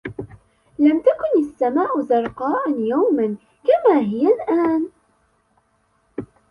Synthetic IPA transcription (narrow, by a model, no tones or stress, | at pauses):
læmt̪ækʊnəsːæmaːʔʊzɑɾˤqɑːʔanjawmən | kæmæɦɪjælʔaæːn